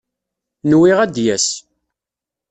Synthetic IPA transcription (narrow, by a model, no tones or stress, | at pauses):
nwiʁæd̪jæs